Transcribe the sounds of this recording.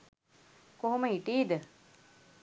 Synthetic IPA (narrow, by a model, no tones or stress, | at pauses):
koɦoməiʈiːd̪ə